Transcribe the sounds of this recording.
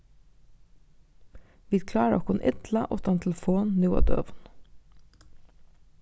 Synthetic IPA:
ʋiːkʰlɑːɾɔ̰kʰʊnʔɪd̪lɑʔɔt̪ɑnt̪ʰɛlfoːnnuːɑ̰ːd̪œ̰ʋn

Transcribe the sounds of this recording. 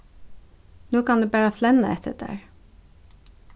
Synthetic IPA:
noːkʰɑnd̪ʉːbæːɹəflɛnə̰ɛt̪ʰə̰dʰə̰ɹ

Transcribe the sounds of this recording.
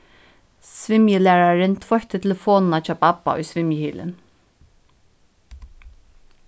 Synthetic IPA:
svɪmjəlæːɹaɹɪnt̪ʰvɔçt̪ɪt̪ʰɪlfoːnnat͡ʃʰɑːbapːa̰ʊ̰jsvɪmjəhiːlɪ̰n

